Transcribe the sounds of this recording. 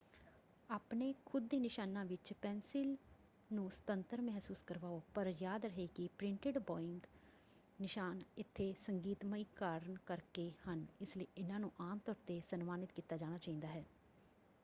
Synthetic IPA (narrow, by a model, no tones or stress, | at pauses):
aːpneːkʰʊd̪iːnɪʃaːnãːʋɪt͡ʃpɛːnsɪl | nũːsə̥t̪ənt̪əɾmɛɦsuːskəɾʋaːoːpəɾjaːd̪ɾəɦeːkɪpɾɪ̃ɳʈɪɖbɔːɪ̃ŋɡ | nɪʃaːnɪt̪ʰːeːsəŋɡiːt̪məiːkaːɾɳkəɾkeːhənɪsleiːʔɪnãːnũːʔaːmt̪ɔːɾt̪eːsənmaːnɪt̪kiːt̪ːaːd͡ʒaːñaːt͡ʃaːĩnd̪aːɦɛː